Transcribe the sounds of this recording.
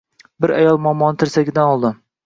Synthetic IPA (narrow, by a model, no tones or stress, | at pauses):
bɪɾa̰jɒlˠmɒmːɒnɪt̪ʰɪɾsaɡʲɪd̪anɒlˠd̪ɪm